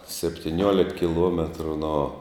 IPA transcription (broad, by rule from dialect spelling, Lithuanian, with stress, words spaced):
sʲɛpʲtʲɪˈnʲuɔlʲɪk kʲɪˈlˠuɔmʲɛtrʊ noː